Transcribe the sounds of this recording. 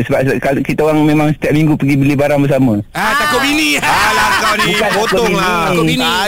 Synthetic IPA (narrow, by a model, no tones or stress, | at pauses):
səbap̚kalkit̪aoɣaŋmẽmaŋsə̥t̪iaʔ̚miŋɡupəɡibəlibaɾaŋbəs̬aməat̪akʊiniabukanakʊbiiini